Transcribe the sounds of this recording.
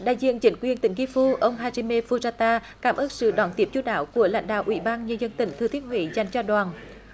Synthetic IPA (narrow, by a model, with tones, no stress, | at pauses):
ɗa̰ː˧˨jzḭ˧˨ənt͡ɕï˨˦ŋ̟kwi˨˩ənt̪ï˧˩ŋ̟ki˧fu˧ʔə˧wŋ͡mɦaː˧zi˧me˧fu˧zaː˧t̪aː˧ | kaː˧˦˩mʔəː˦˥t̚sɨ̰˧˨ɗɔ˨˩˦nt̪i˨˦əp̚t͡ɕu˧ɗaː˧˦wku˧˩əla̰˧˥jŋ̟ɗa̰ː˧˨wʔwḭ˧˦ɓaː˧nɲə˧nzə˧nt̪ï˧˩ŋ̟t̪ʰɨ˨˩t̪ʰi˦˥ət̚ɦwḛ˧˨˦za˨˩jŋ̟t͡ɕɔ˧ɗwaː˨˩n